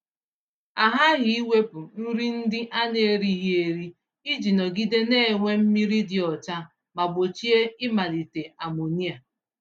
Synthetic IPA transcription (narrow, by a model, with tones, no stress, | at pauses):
a˨ɦa˦ɣɪ˨i˦wʷe˦pʊ˨n̩˦ɾi˦n̩˦dɪ˦ʔa˦ne˨e˦˨ɾi˦ɦi˦e˨ɾi˦ | i˦d͡ʒi˨nɔ˨ɡi˦de˦ne˦e˨ŋʷe˦m̩˦mi˦ɾi˦dɪ˦˨ɔ˨t͡ʃa˦ | ma˨bo˨t͡ʃi˦e˦ɪ˦ma˨li˨te˨a˨mo˨ni˦a˨